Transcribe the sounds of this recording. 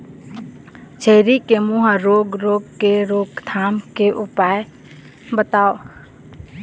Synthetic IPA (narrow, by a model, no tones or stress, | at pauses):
t͡ʃʰeːɾikemũɦəɾoːɡɾoːɡ̚keɾoːɡt̪ʰaːmkeʔʊpaːj | bət̪aːo